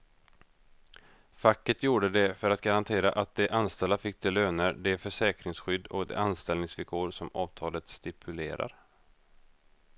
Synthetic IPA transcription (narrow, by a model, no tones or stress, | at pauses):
fakːət̪juːɖəd̪ɛfœɾat̪ɡaɾant̪ʰeːɾa̰ʔat̪̚d̪ɛʔanst̪ɛlːafɪk̚ːd̪ɛlːøːnəɾɖ̪ɛfœʂɛːkɾɪŋsɧʏd̪ːɔ̰kd̪ɛ̰anst̪ɛlnɪŋsvɪlkʰoːɾsɔmɑːvt̪ʰɑːlət̪st̪ɪpʰɵleːɾʔa̰ɾ